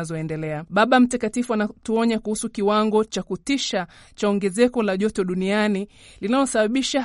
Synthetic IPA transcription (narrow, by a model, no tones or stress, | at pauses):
zɔɛndɛlɛaɓaɓam̩takatifuanatuɔɲakuhusukiwaŋɡɔt͡ʃakutiʃa | t͡ʃaɔŋɡɛzɛkɔlaʄɔtɔɗuniani | linalɔsaɓaɓiʃa